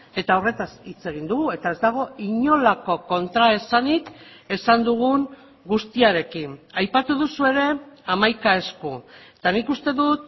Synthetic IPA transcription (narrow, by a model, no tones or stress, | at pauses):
e̞t̪ao̞re̞t̪asit͡se̞ɣ̞ind̪uɣue̞t̪ae̞zd̪aɣ̞o̞iɲo̞lako̞ko̞nt̪ɾae̞sanik | e̞sand̪uɣ̞uŋ | ɡust̪iaɾe̞kinajpat̪uðusue̞ɾe̞amajkae̞skuet̪anikust̪e̞ðut̪̚